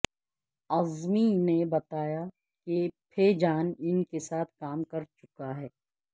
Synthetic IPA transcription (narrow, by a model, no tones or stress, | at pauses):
ɐzminebɐt̪aːja | kepʰeːd͡ʒaːnɪnkesaːt̪ʰkaːmkɐɾt͡ʃʊkaɦɛː